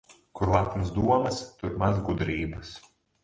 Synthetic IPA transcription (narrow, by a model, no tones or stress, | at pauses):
kʊɾlat̪ʲmɐsd̪uɔmɐst̪ʊɾmazɡud̪ɾʲiːbɐs